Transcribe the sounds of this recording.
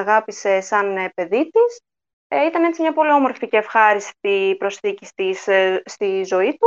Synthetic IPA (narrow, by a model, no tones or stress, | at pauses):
ɐɣɐpise̞sɐnpe̞ðit̪is | it̪ɐne̞t͡simɲɐpo̞lio̞mo̞ɾficeːfxɐɾist̪ipɾo̞sθicist̪isst̪izo̞it̪u